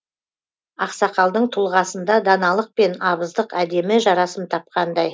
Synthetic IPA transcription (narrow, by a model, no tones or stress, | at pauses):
ɑqsɑqɑlˠd̪əɴt̪ʰʊlˠʁɑsənd̪ɑd̪ɑnɑlˠəq̚pe̞nɑβəzd̪əqæd̪e̞mɪʒɑɾɑsəmt̪ʰɑp̚qɑnd̪ɑj